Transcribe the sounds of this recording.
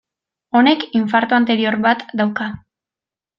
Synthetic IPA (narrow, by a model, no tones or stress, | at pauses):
o̞ne̞kiɱfaɾt̪oant̪e̞ɾio̞ɾβat̪d̪awka